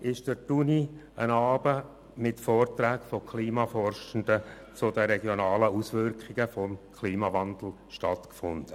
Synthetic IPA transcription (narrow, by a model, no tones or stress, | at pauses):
ʔɪʃd̥ətuni | ənɑːb̥ə | mɪtfɔːrtɾæːkfɔkʰliːmɑfɔrʃən̩d̥̪ə | t͡sʊd̥əɾɛɡjonɑːləusʋʏɾkχɪɡ̥əfɔmkʰliːmɑvɑnd̪l̩ | ʃtɑtkfʊ̰nd̥ə